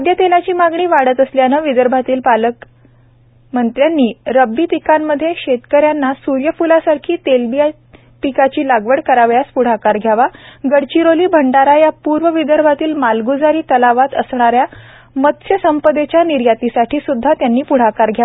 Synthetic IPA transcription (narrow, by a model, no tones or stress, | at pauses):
əd̪jət̪elat͡ɕiːmaɡɳiːʋaɽət̪əsljanəʋid̪əɾbʱat̪iːlpalək | mənt̪ɾjanːiːɾəbːiːt̪ikanmːəd̪ʱːjeɕet̪kəɾjanːasuɾjəfulasaɾkʰiːt̪elbija | pikat͡ɕiːlaɡʋəɽkəɾaʋjaspuɽ̤akaɾɡʱjaʋaɡəɽt͡ɕiɾoliːbʱəɳɖaɾajapuɾʋəʋid̪əɾbʱat̪iːlmalɡud͡zaɾiːt̪əlaʋat̪əsɳaɾja | mət̪ɕjəsəmpəd̪et͡ɕjaniɾjat̪isaʈʰiːsud̪ʱːat̪janːiːpuɽ̤akaɾɡʱja